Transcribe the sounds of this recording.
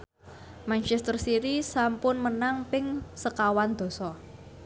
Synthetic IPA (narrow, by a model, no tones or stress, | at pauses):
mant͡ʃɛst̪ərsiɾisampʊnmənaŋpɪŋsəkawand̪̥ɔ̤sɔ